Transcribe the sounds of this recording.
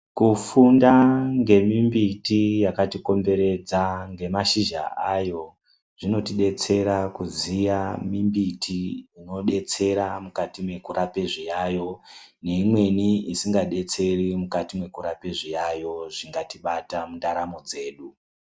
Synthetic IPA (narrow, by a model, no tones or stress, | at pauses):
kufundaŋɡe̞mimbitijakatiko̞mbe̞ɾe̞d͡zaŋɡe̞maʃiʒa̰ʔajo̞ | ʐ̥ino̞tiɗe̞t͡se̞ɾakuzijamimbitʰiːno̞ɗe̞t͡se̞ɾamukatimwe̞kuɾape̞ʐijaːjo̞ne̞imwe̞niisiŋɡaɗe̞t͡se̞rimukatimwe̞kuɾape̞ʐijajo̞ʐiŋɡatiɓatamundaɾamo̞d͡ze̞ːɗu